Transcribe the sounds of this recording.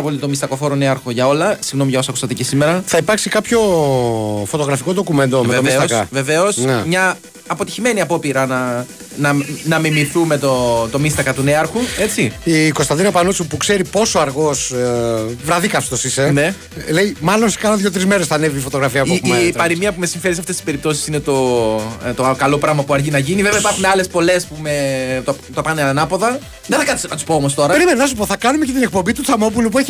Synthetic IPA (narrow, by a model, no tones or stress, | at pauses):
ɐpo̞lit̪o̞mist̪ɐko̞fo̞ɾoneɐɾxo̞ʝɐo̞lɐsiɣno̞miʝɐo̞sɐkust̪ɐt̪icesime̞ɾɐθɐipɐɾksikɐpço̞ | fo̞t̪o̞ɣɾɐfiko̞ðo̞kume̞nd̪omeoviesoɐskɐve̞ve̞o̞snemɲɐː | po̞t̪içime̞niɐpo̞piɾɐnɐ | nɐnɐmimiθume̞t̪ot̪o̞mist̪ɐkɐt̪une̞ɐɾxue̞t͡siiko̞st̪ɐnd̪inɐpɐnut͡supukse̞ɾipo̞soɐɾɣo̞s | vɾɐðikɐfst̪o̞sise̞ne̞ | le̞imɐlonsi̥kɐnoðʝo̞t̪ɾizme̞ɾesθɐneviːfo̞t̪o̞ɣɾɐfiɐpommɐt̪pɐɾimiɐpume̞siɱfe̞ɾiseɐft̪est̪ispe̞ɾip̚t̪o̞si̥sinet̪o̞ | t̪okɐlo̞pɾɐɣmɐpuɐɾʝinɐʝiniveveɐipɐɾxuneɐle̞spo̞le̞spumet̪ot̪opɐneɐnɐpo̞ðɐ | ðeθɐkɐt̪iskɐt̪uspoomost̪o̞ɾɐpeɾimenɐnɐs̬up̬o̞θɐkɐnumecet̪ine̞k̚po̞mbit̪ut͡sɐmo̞p̬ulup̬ueçi